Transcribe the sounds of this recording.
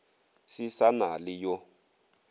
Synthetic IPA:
sisanalijɔ

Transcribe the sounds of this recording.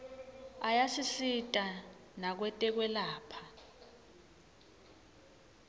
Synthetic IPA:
ajasisitʼanak̬wɛtʼɛk̬wɛlaːpʰa

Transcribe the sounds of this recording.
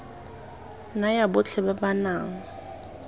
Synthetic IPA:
najabʊt͡ɬʰɛbabanaːŋ̩

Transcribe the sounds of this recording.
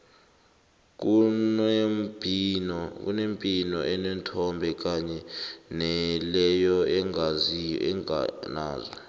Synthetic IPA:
k̬u | nɔk̬ʼṵnempʼinɔʔɛnɛntʰɔmbʱɛk̬aɲɛnɛlɛjɔɛŋɡʱazijɔ̰ɛna̰ːzɔ

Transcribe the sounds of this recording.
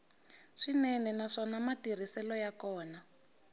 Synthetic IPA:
ʂinɛnɛnaʂɔnamatir̤isɛlɔjakɔːna

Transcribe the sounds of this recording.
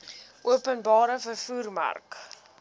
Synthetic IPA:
ʔuəpənbɑːɾəfərfuːrma̰rk

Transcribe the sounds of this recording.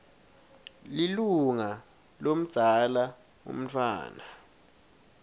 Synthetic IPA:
liluŋa | lom̩̥z̥ʱala | ṵm̩tʰwa̰ːna

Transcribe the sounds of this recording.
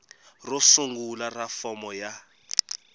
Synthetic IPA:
rʊsuŋɡularafɔmɔja

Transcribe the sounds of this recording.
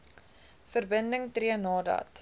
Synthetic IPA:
fərbəndəŋtriənɑːdɐ̰t

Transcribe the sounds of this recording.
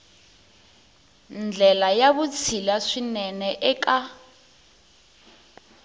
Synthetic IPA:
nd͡ɮʱɛlajaβut͡sʰilaʂinɛnɛʔɛka

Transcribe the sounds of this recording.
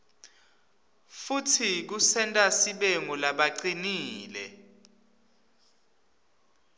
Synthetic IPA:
futʰik̬usɛntʼasiɓeŋulaɓaǀiniːlɛ

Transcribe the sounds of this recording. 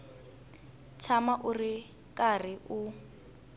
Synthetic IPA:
t͡ʃʰamaʔuri | kar̤iʔu

